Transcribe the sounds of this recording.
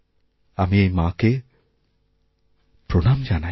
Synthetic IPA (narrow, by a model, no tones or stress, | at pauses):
amiejmaːke | pɾonaːmd͡ʒana